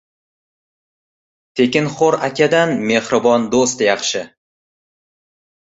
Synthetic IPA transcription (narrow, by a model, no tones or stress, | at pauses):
t̪ʰe̞kʲɪnχoɾakʲad̪anme̞hɾɪbɒnd̪ost̪jɑχʃɪ